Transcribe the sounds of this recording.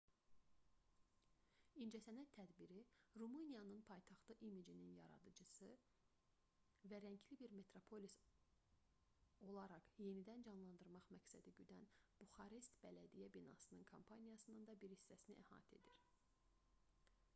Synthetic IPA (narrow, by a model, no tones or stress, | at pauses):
ind͡ʒæsænæt̪ʰːæd̪biɾiɾumunijɑnɯnpʰɑjt̪ʰɑχt̪ˠɯʔimid͡ʒininjɑɾɑ̰d̪ɯd͡ʒɯsɯ | væɾæɲcʰlibiɾme̞t̪ɾopʰo̞lʲis | o̞lˠɑɾɑχje̞nid̪ænd͡ʒɑnlˠɑnd̪ɯɾmɑχmæcsæd̪iɟyd̪ænb̥uxɑɾist̪b̥ælæd̪ijæbinɑ̰sɯnɯnkʰompʰɑnijɑsɯnɯnd̪ɑbiɾhisːæsinḭʔæhɑ̰ːt̪ʰe̞d̪iɾ̥